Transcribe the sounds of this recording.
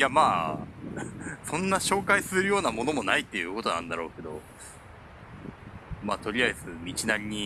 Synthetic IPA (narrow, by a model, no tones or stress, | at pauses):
jamaː | sõ̞nːaɕo̞ːkaisɨɾɯjo̞ːnamo̞no̞mo̞nait̪ːe̞jɯ̟ːko̞t̪o̞nã̰nd̪aɾo̞ːke̞d̪o̞̰ | maːt̪o̞ɾʲijaisɨmʲit͡ɕinãɲʲːi